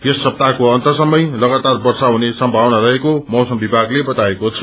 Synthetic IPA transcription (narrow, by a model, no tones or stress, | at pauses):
jesːʌb̚t̪akoʌnt̪ʌsʌmːʌjlʌɡat̪arbʌrsaɦunesʌmbʱawnarʌɦekomʌwsʌmbibʱaɡlebʌt̪aekot͡sʰʌ̥